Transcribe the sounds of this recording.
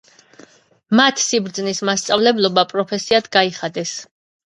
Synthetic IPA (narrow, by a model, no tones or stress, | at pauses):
mat̪ʰsibɾd̪znismast̪sʼavlɛblˠɔbapʼɾɔpʰɛsiad̪̥ɡaiχad̪ɛs